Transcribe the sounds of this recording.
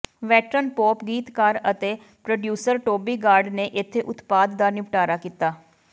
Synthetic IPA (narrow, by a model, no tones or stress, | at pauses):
ʋɛːʈɾənpoːpɡiːt̪kaːɾət̪eː | pɾoɖjuːsəɾʈoːbiːɡaːɾɖneːʔɪt̪ʰːeːʔʊt̪paːd̪d̪aːnɪʋʈaːɾaːkiːt̪aː